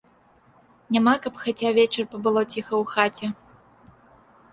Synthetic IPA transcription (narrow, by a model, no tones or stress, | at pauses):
nʲamakɐpxat͡sʲavʲɛt͡ʃɐrpɐbɨlˠɔt͡sʲixɐwxat͡sʲɛ